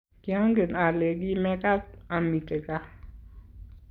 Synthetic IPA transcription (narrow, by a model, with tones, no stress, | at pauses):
kɪ˨a˦ŋɡe˨na˨le˨ɡi˦mɛ˦ka˦t̚a˨mi˨te˨ka˦